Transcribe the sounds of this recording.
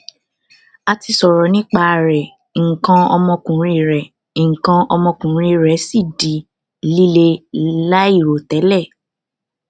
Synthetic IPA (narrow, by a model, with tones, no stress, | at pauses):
a˧ti˧sɔ˨ɾɔ˨˦nĩ˦k͡pa˧˨˧ɾɛ˨ | ŋ̩˨kã˧ɔ˧mɔ̃˧kũ˨ɾ̃ĩ˧˨ɾɛ˨ | ŋ̩˨kã˧ɔ˧mɔ̃˧kũ˨ɾ̃ĩ˧ɾɛ˨˦si˦˨di˨ | li˦le˧˨la˦i˦˨ɾo˨tɛ˨˦lɛ˦˨